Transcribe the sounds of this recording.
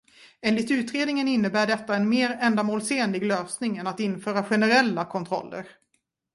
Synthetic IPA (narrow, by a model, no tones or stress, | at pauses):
eːnlɪt̪ʉ̟ːt̪ɾeːd̪nɪŋənɪnːəbæːɖɛt̪ːaɛnmeːɾɛnd̪amoːlseːnlɪɡløːsnɪŋɛnat̪ɪnfœːɾaɧɛnəɾɛlːakʰɔnt̪ʰɾɔ̰lːə̰ɾ